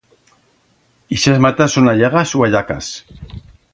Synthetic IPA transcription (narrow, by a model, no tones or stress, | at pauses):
iʃazmat̪asːonaʎaɣasuaʎaka̰s